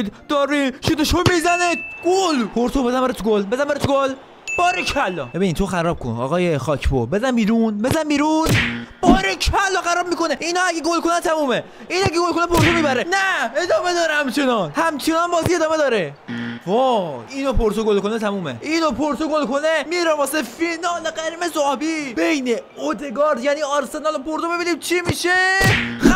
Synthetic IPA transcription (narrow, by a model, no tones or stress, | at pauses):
d̪d̪̥ɒːɾiʃet̪oʃomizænit̪ɡ̥olpʰoɾsobezænmbeɾet̪ʰuɡolbezænmbeɾet̪oɡol | b̥ɒːɾekʰælːɒbebinnt̪ʰoxæɾɒːb̥̚kʰo̰nɒ̰ːɣɒːjexɒːcʰbo̰be̞zænmbiːɾunbezænbiːɾunb̥ɒːɾecʰælːɔːxæɾɒːb̚miːkoneʔinɒːæɡeɡolkonænt̪ʰæmuːme | iːnæɡeɡolkʰonepʰoɾsomiːbæɾenæed̪ɒːme̞d̪ɒːɾehæmt͡ʃʰe̞nɒnhæmt͡ʃʰe̞nɒnbɒːziːe̞d̪ɒːme̞d̪ɒːɾevoiːnopʰoɾt̪ʰoɡolko̞net̪ʰæmuːmḛʔinopʰoɾt̪ʰoɡolkʰo̞nemiːɾɒvɒːsefinɒːleɡæɾiːmezobib̥e̞jne | od̪e̞ɡɒːɾd̪jæniːɒɾse̞nɒlopʰoɾt̪obebiniːmt͡ʃʰimiʃe